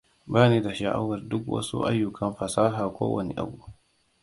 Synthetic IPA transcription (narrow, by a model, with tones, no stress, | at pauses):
baː˦neː˦da˨ʃa˨ʔa̰˦wɐ˨rdʊ˦kwɐ̰˦sṵ˦ʔa̰˦jːʊ˨kʰɐ˦mɸɐ˨saː˦ɦaː˨kʷo̰ː˦wʔɐ̰˨nḛ˦ʔa̰˦bu˦˨